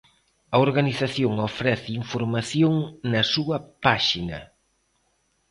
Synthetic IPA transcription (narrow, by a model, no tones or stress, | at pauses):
ɐoɾɣaniθaθjoŋofɾɛθiɱfoɾmaθjoŋnɐsuɐpaʃinɐ̰